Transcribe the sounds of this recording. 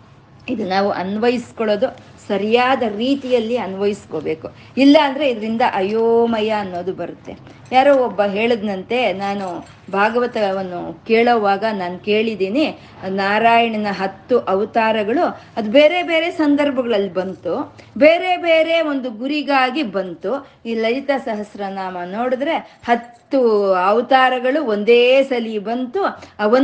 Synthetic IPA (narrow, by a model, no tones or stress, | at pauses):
id̪unaːʋuʔɐnʋɐjiskoɭoːd̪u | sɐɾijaːd̪ɐɾiːt̪ijɐlːiɐnʋɐjisko̞ːbe̞ːku | ilːɐːnd̪ɐɾe̞id̪ɐɾind̪ɐʔɐjoːmɐjɐːnːo̞ːd̪ubɐɾut̪ːe̞̰ | jaːɾoːɔbːɐɦe̞ːɭid̪nɐnt̪e̞naːnu | bʱaːɡɐʋɐt̪ɐʋɐnːukeːɭoːʋaːɡɐnaːnuke̞ːɭid̪iːni | naːɾaːjɐɳɐnɐɦɐt̪ːuʔɐʋɐt̪aːɾɐɡɐɭuɐd̪ubeːɾe̞be̞ːɾe̞sɐnd̪ɐɾbʱɐɡɐɭɐlːibɐnt̪u | beːɾe̞beːɾe̞o̞nd̪uɡuɾiɡaːɡibɐnt̪u | iːlɐjit̪ɐsɐɦɐsɾɐnaːmɐno̞ːɽid̪ɾe̞hɐt̪ːuɐʋɐt̪aːɾɐɡɐɭuond̪eːsɐlibɐnt̪uɐʋɐ